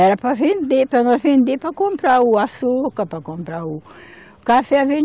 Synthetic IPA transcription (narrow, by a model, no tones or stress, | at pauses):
ɛɾɐpɾɐvẽnd̪epɾɐnɔ̃zvẽnd̪epɾɐkõmpɾauasokɐpɾɐkõmpɾau | kafɛɐvẽ